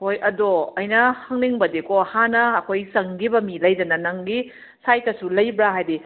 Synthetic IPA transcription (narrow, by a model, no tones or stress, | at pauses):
hojɐdoɐjnɐhɐŋniŋbɐdikohanɐːkʰojsɐŋɡibɐmilɐjdɐnɐnɐŋɡi | sajtɐsulɐjbɾaɦajdi